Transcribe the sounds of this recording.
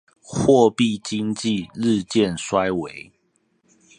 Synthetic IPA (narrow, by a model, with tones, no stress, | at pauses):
xwɔ˥˨pi˥˨t͡ɕi˦ŋt͡ɕi˥˨ɻ̩˥˨t͡ɕjɛ˥˨nswa˦ɪwe˨˦ɪ